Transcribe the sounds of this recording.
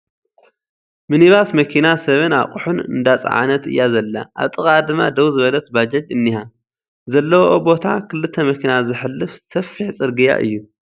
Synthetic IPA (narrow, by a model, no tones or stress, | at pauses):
mɨniβasmɐkʰinasɐβɨna̰χʼuħunɨ̰nd̪at͡sʼa̰ʕa̰nɐt̪ɨ̰jːazɐlːa̰ʔa̰βt̪ʼɨɣʼad̪ɨmːad̪ɐwzɨβɐlɐt̪bad͡ʒɐd͡ʒɨnːiha | zɐlːɐwoobo̞t̪ʰakʰɨlːɨt̪ʰːɐmɐkʰinazɨħɨlːɨfsɐfiħt͡sʼɨɾɡɨja̰ʔɨ̰jːu